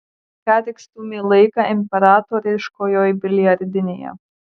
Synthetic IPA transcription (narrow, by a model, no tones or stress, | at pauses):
kɑːt̪ʲɪkst̪uːmʲiːlˠɐɪkɑʔɪmʲpʲɛɾɑːt̪oːɾʲɪʃkoːjoːjbʲɪlʲɪjɐɾʲd̪ʲɪnʲeːjɛ̰